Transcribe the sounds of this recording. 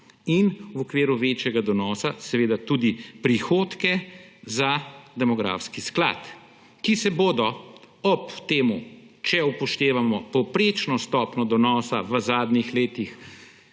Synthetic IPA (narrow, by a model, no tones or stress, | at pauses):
inwɔkʋiːɾuʋeːt͡ʃjɛɡad̪ɔnɔːsasɛʋeːd̪at̪ud̪ipɾixoːt̪kɛzad̪ɛmɔɡɾa̰ːfskiskla̰ːt̪ | kisɛboːd̪ɔ | ɔpt̪eːmut͡ʃɛupɔʃt̪eːʋamɔpɔwpɾeːt͡ʃnɔst̪ɔːpnɔd̪ɔnɔːsa̰ʋəzaːd̪nixleːt̪ix